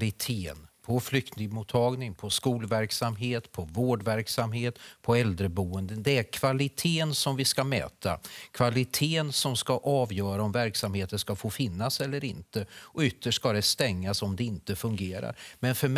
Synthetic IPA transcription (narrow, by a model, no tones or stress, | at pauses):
lɪt̪ʰeːnpʰɔflʏkt̪nɪɡmut̪ʰːɑːɡnɪŋpʰɔskuːlvæɾksamɦeːt̪pʰɔvoːɖvæɾksamɦeːt̪pʰɔɛld̪ɾəbuːənd̪ənd̪ɛæɾkʰvalɪt̪ʰeːənsɔmvɪskamɛ̰ːt̪ʰa̰kʰvalɪt̪ʰeːənsɔmskaʔɑːvjœːɾaɔmvæɾksamheːt̪ənʂkafoːfɪnːasɛlːəɾɪnt̪əɔʏt̪ʰːəʂkad̪ɛst̪ɛŋːasɔmd̪ɛɪnt̪əfɵŋɡeːɾa̰ɾmɛnfœɾm